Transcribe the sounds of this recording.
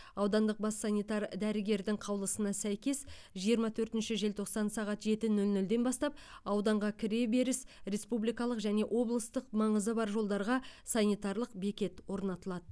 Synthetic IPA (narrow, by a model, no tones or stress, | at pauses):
ɑwd̪ɑnd̪əq̚bɑsːɑnijt̪ɑɾd̪æɾɪɡʲe̞ɾd̪ɪŋqʰɑwlˠəsənɑsæjkʲe̞sʒijəɾmɑt̪ʰɵɾt̪ɪnʃɪʒe̞lt̪ʰo̞qsɑnsɑʁɑt̪ʒe̞t̪ɪnɵlnɵld̪e̞nbɑst̪ɑp̚ɑwd̪ɑɴʁɑkʲʰɪɾebe̞ɾɪsɾe̞spublijkɑlˠəqʒæne̞ʔwʔo̞blˠəst̪əqmɑɴəzəbɑɾʒo̞lˠd̪ɑɾʁɑsɑnijt̪ɑɾlˠəqbe̞kʲe̞t̪wo̞ɾnɑt̪əlˠɑd̪ə